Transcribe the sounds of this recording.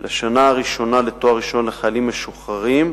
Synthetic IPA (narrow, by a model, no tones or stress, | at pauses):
laʃanaːʁiʃo̞naletoaʁiʃo̞nleχajalimːeʃuχaʁim